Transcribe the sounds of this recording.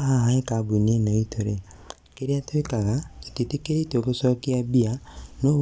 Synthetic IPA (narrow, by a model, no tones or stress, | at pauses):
ɦaɦaekabunenoitʰoɾe | keɾiatwekaɣai̥titikeɾetokusɔːkiabiano